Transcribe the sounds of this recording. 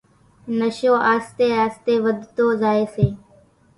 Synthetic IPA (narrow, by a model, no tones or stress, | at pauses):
nəʃõːʔaːst̪eːaːst̪eːʋəd̪ʱt̪oːzaːeːseː